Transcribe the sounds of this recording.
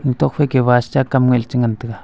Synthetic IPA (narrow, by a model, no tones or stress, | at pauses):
ŋt̪ok̚ɸekeβast͡ʃakamŋʷelt͡ʃiŋant̪əka